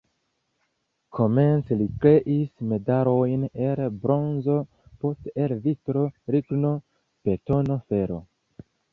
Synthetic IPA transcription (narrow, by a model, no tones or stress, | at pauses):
kʰo̞me̞nt͡selikɾe̞ʔisme̞daɾo̞jnelbɾo̞nzo̞ | po̞steelvitɾo̞ɾiɡno̞ | pe̞to̞no̞fe̞ɾo̞̰